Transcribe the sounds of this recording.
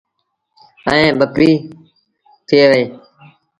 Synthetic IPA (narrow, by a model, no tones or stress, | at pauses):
ə̰ẽːɓəpiː | t̪ʰɪeːʋəeː